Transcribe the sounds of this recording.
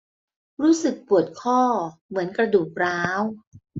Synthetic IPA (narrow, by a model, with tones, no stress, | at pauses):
ɾuː˦˥sɯ˨˩k̚pu˨˩ət̪̚kʰɔː˥˩mɯ˩˦ənkɾa˧duː˨˩k̚ɾaː˦˥w